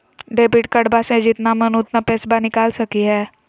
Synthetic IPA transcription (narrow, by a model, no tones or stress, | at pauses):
ɖeːbɪʈkɐɖbasẽd͡ʒɪt̪namɐnʊt̪napɛːsbanɪkaːlsɐkiɦɛː